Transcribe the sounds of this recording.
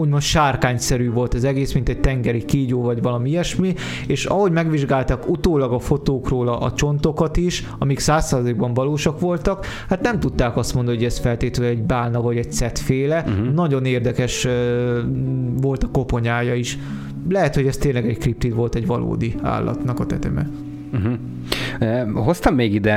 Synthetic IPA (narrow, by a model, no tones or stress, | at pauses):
uːɟmonʃaːrkaːɲsɛɾyːvo̞lt̪ɛzɛɡeːsmint̪ɛc̚t̪ɛŋɡɛɾikiːɟoːvɒɟvɒlɒmiɛʃmi | eːʃɒɦo̞ɟmɛɡʋiʒɡaːlt̪akut̪oːlɒɡɒfo̞t̪oːkroːlɒʔɒt͡ʃo̞nt̪o̞kɒt̪iʃ | ɒmiksaːsːaːzɒliɡ̚bɒɱvɒloːʃɒkʋo̞lt̪ɒkhat̪nɛmt̪ut̪ːaːkɒst̪mond̪ɔnoɟɛsfɛlt̪eːt̪øɛɟbaːnɒvɒɟɛc̚t̪sɛt̪feːlɛnɒɟo̞neːrd̪ɛkɛʃ | vo̞lt̪ɒ̥ko̞po̞ɲaːjɒiʃ | lɛɦɛt̪ho̞ɟɛst̪eːnlɛɡɛckrip̚t̪it̪ʋo̞lt̪ɛɟʋɒlʔo̰ːd̪ia̰ːlːɒ̰t̪nɒkɒt̪ɛ̰t̪ɛ̰mɛ̰ | ɦ̩ | ɦost̪ɒmːeːɡid̪ɛ